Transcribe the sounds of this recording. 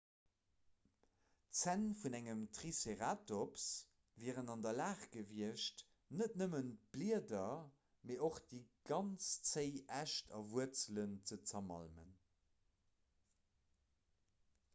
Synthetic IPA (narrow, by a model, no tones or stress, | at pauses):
t͡sænfunæŋəmtʁiseʁaːtops | viːʁənɑndɐlaːχɡ̥əviəʃt | nətnəmən̚b̥liədɐ | meːʔoχd̥iːɡ̥ɑnt͡st͡səɪʔæʃtʰɑ̰vuət͡sələnt͡sət͡sɐmɑ̰lmə̰n